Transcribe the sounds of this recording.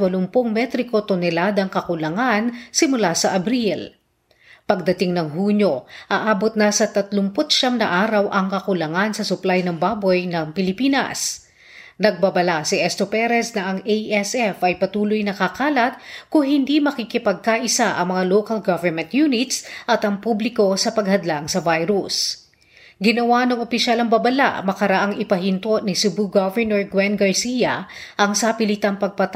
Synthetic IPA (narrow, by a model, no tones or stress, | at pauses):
wɐlʊmpoŋmɛt̪ɾɪko̞t̪ʊnɛlad̪ɐŋkɐkʊlɐŋansɪmʊlasɐʔɐbɾil | pɐɡ̚d̪ɐt̪ɪŋnɐŋɦuːɲo̞ʔaʔaːbot̪̚nɐsɐt̪ɐt̪lʊmpʊt̪̚ʃamnɐʔaːɾɐwʔɐŋkɐkʊlɐŋansɐsʊplajnɐŋbaːbo̞jnɐŋpɪlɪpiːnɐ̰s | nɐɡ̚babɐlasɪʔɛst̪opɛɾɛsnɐʔɐŋejʔɛsʔɛfʔɐjpɐt̪uːlʊjnɐkɐkaːlɐt̪̚kʊŋhɪnd̪imɐkikɪpɐɡ̚kaʔɪsaʔɐ̰ŋmɐŋaloːkɐlɡavɛɹmɛ̃nt̪junɪt̪sʔɐt̪ɐŋpublɪko̞sɐpɐɡhɐd̪laŋsɐvajɾus | ɡɪnɐwanɐŋopɪʃalɐŋbɐbɐla̰ʔmɐkɐɾɐʔaŋʔɪpɐɦɪnt̪oʔnɪsʊbuɡavɛɹnoɹɡwɛnɡɐɹsijɐʔɐŋsapɪlɪt̪ɐŋpɐɡ̚pɐt̪